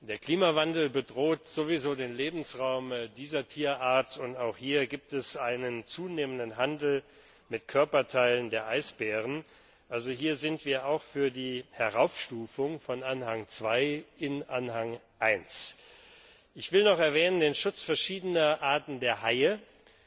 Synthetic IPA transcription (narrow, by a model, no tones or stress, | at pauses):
d̥eːɐkl̥iːmavandl̩bədʁoːtz̥ovizoːdeːnleːbm̩sʁaʊmdiːzɐtʰiːɐʔaːɐtʊntaʊxhiːɐɡiːp̚tɛsʔaɪnənt͡suːneːməndənɦandl̩ | mɪtkʰœɐpɐtʰaɪləndeːɐʔaɪsb̥ɛːʁ̞ən | ʔalzoɦiːɐzɪntv̥iːɐaʊxfyːɐdiːhɛʁaʊfʃtuːfʊŋfɔnʔanhaŋt͡sv̥aɪɪnʔanhaŋ | ʔaɪns | ʔɪçv̥ɪlnɔχɛɐvɛːnəndeːnʃʊt͡sfɛɐʃiːdənɐʔaːɐtn̩deːɐɦaɪə